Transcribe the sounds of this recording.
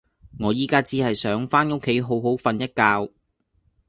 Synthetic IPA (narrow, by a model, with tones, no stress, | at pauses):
ŋɔː˨˧jiː˨˧kaː˥t͡siː˧˥hɐ˨jsœː˨˥ŋfaː˥nʊ˥kʰe˨˥jɦo˨˥wɦo˨˥wfɐ˨njɐ˥t̚kaː˧w